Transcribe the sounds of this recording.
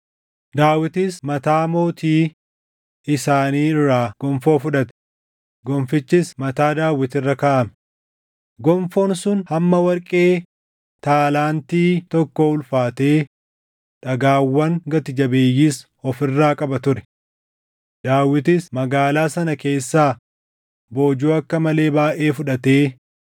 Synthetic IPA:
d̪aːwɪt̪ɪsmɐt̪aːmo̞ːt̪iː | ɪsaːniːɪrːaːɡ̥ɔmfoːfʊᶑɐt̪ɛ̥ | ɡɔmfɪt͡ʃːɪsmɐt̪aːd̪aːwɪt̪ɪrːɐkɐʔɐmɛ̥ | ɡɔɱfo̞ːnsʊnhɐmːɐwɐɾkʼe̞ː | t̪aːlaːnt̪iːt̪ɔkːoʊlfaːt̪e̞ː | ᶑɐɡaːwːɐŋɡɐt̪ɪd͡ʒɐbe̞ːjːiːs | ɔfɪrːaːkʼɐbɐt̪ʊɾɛ̥ | d̪̥aːwːɪt̪ɪsmɐɡaːlaːsɐnɐke̞ːsːaː | bo̞ːd͡ʒuːɐkːɐmɐle̞ːbaːʔe̞ːfʊᶑɐt̪e̞ː

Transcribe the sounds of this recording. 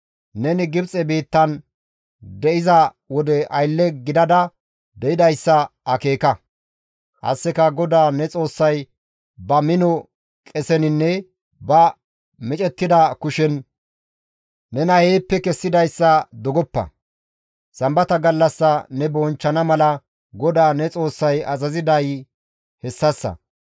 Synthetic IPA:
nɛnɪɡɪbt͡sʼɛbiːt̪ːɐn | d̪ɛʔɪzɐ | wɔd̪ɛʔɐjlːɛɡɪd̪ɐd̪ɐ | d̪ɛʔɪd̪ɐjsːɐɐke̞ːkɐ | ʔɐ̰sːɛkɐɡɔd̪aːnɛt͡sʼo̞ːsːɐj | bɐmɪnɔ | kʼɛsɛnɪnːɛ | bɐ | mɪt͡ʃʼɛt̪ːɪd̪ɐkʊʃɛn | ɛnɐheːpːɛkɛsːɪd̪ɐjsːɐd̪ɔɡɔpːɐ̰ | sɐmbɐt̪ɐɡɐlːɐsːɐnɛbɔnt͡ʃːɐnɐmɐlɐ | ɡɔd̪aːnɛt͡sʼo̞ːsːɐjɐzɐzɪd̪ɐj | hɛsːɐsːɐ̰

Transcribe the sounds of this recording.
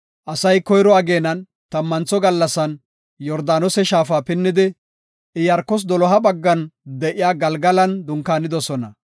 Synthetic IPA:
ʔɐsɐjkɔjɾɔɐɡe̞ːnɐn | t̪ɐmːɐnt͡sɔɡɐlːɐsɐn | jɔɾd̪aːnɔsɛʃaːfaːpɪnːɪd̪ɪ | ɪjɐɾkːɔs̬d̪ɔlɔɦɐbɐɡːɐnd̪ɛʔɪjaːɡɐlɡɐlɐnd̪ʊŋkaːnɪd̪ɔsɔnɐ̰

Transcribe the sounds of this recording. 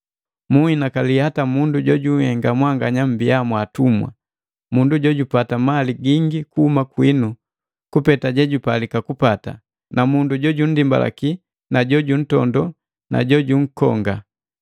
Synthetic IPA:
muinakalihatamunduɟɔɟuhɛŋɡamwaŋɡaɲam̩biamwatumwa̰ | munduɟɔɟupatamaliɡiŋɡikuhumakwinu | kupɛtaɟɛɟupalikakupata̰ | namunduɟɔɟun̩dimba̰la̰ki | naɟɔɟun̩tɔ̰ndɔ | na̰ɟɔɟuŋ̩kɔ̰ŋɡa

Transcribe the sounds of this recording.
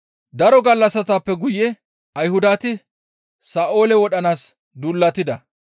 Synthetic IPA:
d̪ɐɾɔɡɐlːɐsɐt̪aːpːɛɡʊjːɛ | ɐjhʊd̪aːt̪ɪ | saːʔo̞ːlɛwɔɗɐnaːs | d̪uːlːɐt̪ːɪd̪ɐ

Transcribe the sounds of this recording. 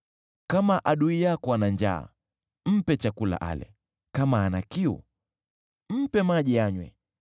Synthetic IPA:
kamaʔaɗuijakɔanand͡ʒa̰ː | m̩pɛt͡ʃakula̰ʔa̰lɛ̰ | kamaːnakiṵ | m̩pɛmaʄɛjaɲwɛ̰

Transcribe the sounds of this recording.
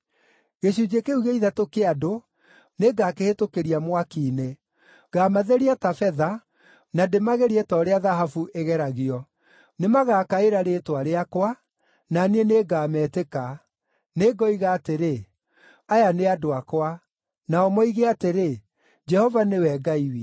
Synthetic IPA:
ɣeɕud͡ʒekeuɣeiðatokeado | neɡaːkehetokeɾiamwakiːne | ɡ̥aːmaðeɾiatafɛða | nademaɣeɾiɛtɔːɾeaðaɦafuʔeɣɛɾaɣiɔ | nemaɣaːkaeɾaɾetwaɾeakwa | nanieneɡaːmɛːteka | neɡɔiɣaːteɾe | ajaneadoakwa | naɔmɔiɣeateɾe | d͡ʒɛhɔvanewɛɡaiwi

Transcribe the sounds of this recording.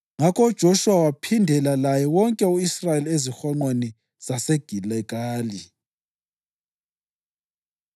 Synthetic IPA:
ŋakʰʼɔd̥ʒ̥ʱoʃuwawapʰindʱɛlalajɛwɔŋkʼɛuisrajeliezixɔŋ͡ǃweni | z̥aseɡ̥ʱilɛk̬ʼaːli

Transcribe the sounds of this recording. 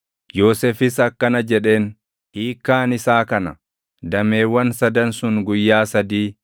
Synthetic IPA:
jo̞ːsefɪsɐkːɐnɐd͡ʒɛᶑe̞ːn | hiːkːaːnɪsaːkɐnɐ | d̪ɐme̞ːwːɐnsɐd̪ɐnsʊnɡʊjːaːsɐd̪iː

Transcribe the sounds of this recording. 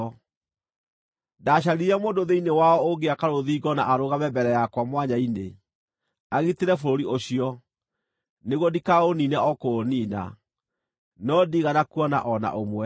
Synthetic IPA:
daːɕ̬aɾiɾamoːndoðeinewaɔoɡeakaɾoðiːɡɔnaʔaɾoɣamɛbɛɾɛjakwamwaɲainḛ | aɣiteɾɛfoɾoɾioɕiɔ | neɣwɔdikaoninɛɔkoniːna̰ | nɔdiɣanakuɔna̰ʔɔna̰ʔomwɛ

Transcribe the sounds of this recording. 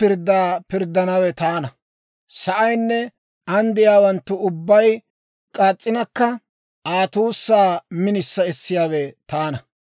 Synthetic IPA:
pɪɾd̪ːaːpɪɾd̪ːɐnɐwɛt̪aːnɐ | sɐʔɐjnːɛ | ɐnd̪ɪjaːwɐnt̪ːʊʊbːɐj | kʼaːt͡sʼːɪnɐkːɐ | aːt̪uːsːaːmɪnɪsːɐɛsːɪjaːwɛt̪aːnɐ

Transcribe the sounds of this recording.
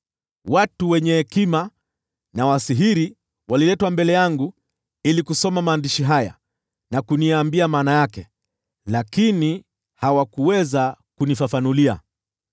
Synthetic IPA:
watuwɛɲɛhɛkima | nawasiɦiɾi | walilɛtwambɛlɛjaŋɡu | ilikusɔmamaːndiʃiɦaja̰ | nakuniaːmbiamaːnajakɛ | lakini | hawakuwɛzakunifafanulia̰

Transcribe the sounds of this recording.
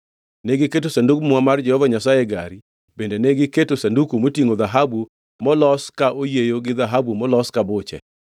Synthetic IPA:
nɛɡɪketosandukmwamard͡ʒɛhɔvaɲasajeɡa̰ɾi | bendenɛɡɪketosandukumotiŋod̪aɦabu | mɔlɔskaʔojejoɡɪðaɦabumɔlɔskabʊt͡ʃɛ̰

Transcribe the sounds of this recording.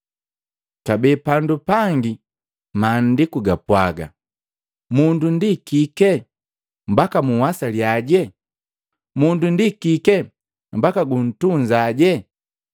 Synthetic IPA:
kabɛpandupaŋɡi | maːn̩dikuɡapwa̰ɡa̰ | mundundikikɛ | m̩bakamuwasaljaɟɛ | mundundikikɛ | m̩bakaɡun̩tuɲd͡ʒaɟɛ

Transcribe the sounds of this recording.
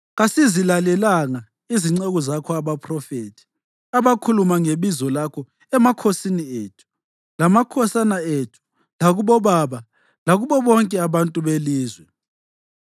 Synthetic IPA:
ɣasizilalɛlaŋa | iziŋ͡ǀɛɣɔzakʰɔaβapʰʼrɔfeːtʰi̥ | aβakʰulumaŋeβizɔlakʰɔ | ɛmakʰosinieːtʰu̥ | lamakʰɔsanaetʰu̥ | laɣuβɔβaβa | laɣuβɔβɔŋkʼɛaβantʼuβeliːzwɛ

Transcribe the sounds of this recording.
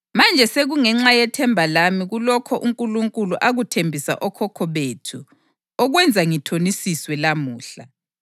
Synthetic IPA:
mand͡ʒʱɛseɣuŋɛŋ͡ǁajɛtʰɛmbʱalamiɣulɔkʰɔʔuŋkʼuluŋkʼuluʔaɣutʰembʱisa̰ʔɔkʰɔkʰɔβetʰu | ɔɣwɛnd͡zʱaŋitʰonisiswɛlamuːɬa

